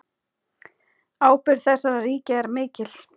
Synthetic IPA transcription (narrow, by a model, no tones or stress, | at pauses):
aːwpɪɾ̥θɛsːaɾariːcaɛɾmɪːcɪl̥